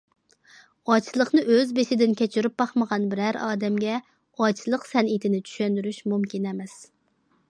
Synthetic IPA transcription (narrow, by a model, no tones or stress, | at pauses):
ɑt͡ʃʰlˠəχnɨʔøzbeʃɪd̪ɪnkʲʰɛt͡ʃʰiɾyp̚bɑχməʁɑnbɪɾæɾɑ̰ːd̪ɛmɡʲɛ | ɑt͡ʃʰlˠəqsɛnit̪ʰɪnɪt͡ʃʰy̥ʃɛnd̪yɾyʃmumkʲinɛmɛs